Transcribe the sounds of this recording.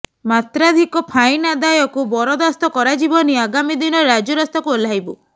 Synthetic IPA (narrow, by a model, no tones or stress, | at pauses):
mat̪ɾad̪ʱikɔpʰajnad̪ajɔkubɔɾɔd̪ast̪ɔkɔɾad͡ʒibɔniaɡamid̪inɔɾad͡ʒɔɾɔst̪ɔkuelajbu